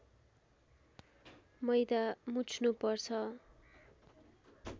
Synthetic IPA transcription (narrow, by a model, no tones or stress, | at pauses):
mʌjd̪amut͡sʰnupʌrt͡sʰʌ